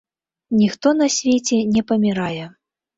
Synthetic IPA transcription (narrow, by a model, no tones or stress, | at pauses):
nʲixt̪ɔnɐsʲvʲet͡sʲɛnʲɛpɐmʲiɾajɛ